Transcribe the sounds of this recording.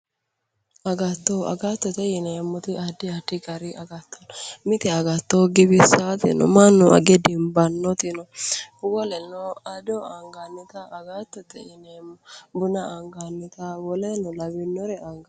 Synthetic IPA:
ɐɡɐt̪ːoɐ̰ɡat̪ːɔt̪ɛɪnemːɔt̪ɪɐd̪ːɪɐd̪ɪɡɐɾɪʔɐɡɐt̪ːɐ̥nɔmɪt̪ɛɐɡɐt̪ːoɡɪbɪsat̪ɪ̰nɔ̰mɐnːʊʔɐ̰ɡɛd̪ɪmbɐnːɔt̪ɪnɔbʊɡɔlɛnːɔɐd̪ɔɐŋɡanːɪt̪ɐːɡat̪ːɔt̪ɛ̰ɪnemɔbʊnɐɐŋɡanːɪt̪awɔlɛnɔlɐbɪnːɔɾɛɐŋɡɐ

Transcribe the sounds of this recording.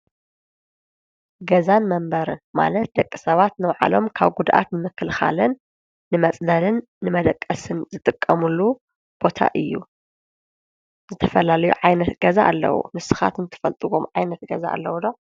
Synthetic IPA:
ɡɐzanmɐmbɐɾɨnma̰lɐt̪̚d̪ɐkʼːisɐβat̪nɨwʕa̰lo̞mkʰaβɡud̪ʔa̰t̪nɨmɨkʰːɨlxa̰lɨnː | ɨmɐt͡sʼd̪ɐlɨnːɨmɐd̪ɐkʼːɐsɨnzɨt̪ʼɨkʼːɐmulːu | b̥o̞t̪ʰa̰ʔɨjːṵ | zɨt̪ʰɐfɐlalɐjṵʕajnɐt̪ɡɐzaʔːlːɐ̰wṵmɨsɨxa̰t̪ɨnt̪ʰɨ̥fɐlt̪ʼɨwomʕajnɐt̪ɡɐza̰ʔa̰lːɐwd̪o

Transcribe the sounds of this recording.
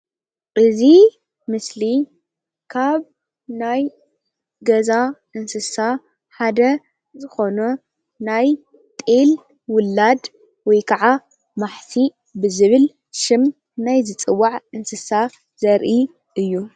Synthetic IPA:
ʔɨzi | mɨsli | kʰaβ | naj | ɡɐzaʔɨnsɨsa | ħad̪ɐ | zɨxo̞nu | naj | t̪ʼel | wʊlːad̪ | wɔjkʰɐʕa | maħtʰi | bɨzɨβɨl | ʃɪm | najzɨt͡sʼɨwːaʕɨnsɨsa | zɐɾʔi | ʔɨjːu

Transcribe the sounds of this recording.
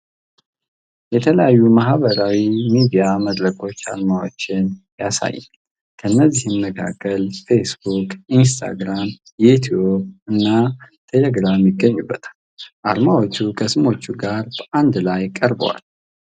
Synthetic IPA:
jɛt̪ʰələjajːumahβəɾawimid̪ijaməd̪ɾəkʰo̞t͡ʃːa̰lmawo̞t͡ʃːɪnjasa̰jːɪ̰n | kʰənːəzːihɨnːəkʰa̰kʰːəlfe̞sbukʼinst̪ʰa̰ɡɾam | jɛit̪ʰiobɨnːat̪ʰe̞leɡɾamjɪɡːəɲːubːət̪ʰḁl | ʔalmawo̞t͡ʃːukʰəsɨmo̞t͡ʃːuɡaɾb̥əʔand̪lajkʼəɾbə̰wa̰l

